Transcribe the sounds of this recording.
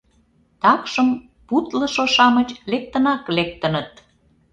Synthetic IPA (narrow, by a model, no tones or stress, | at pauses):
t̪ɑkʃəm | put̪lə̆ʃoʃɑmət͡ɕlek̚t̪ənɑklek̚t̪ənət̪̚